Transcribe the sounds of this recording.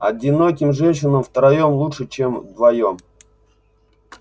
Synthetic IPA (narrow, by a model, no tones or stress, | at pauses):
ɐ̰dʲɪnokʲɪmʐɛnʲɕɪnəmft̪əɾɐjomlˠuʂɨt͡ɕemd̪vɐjom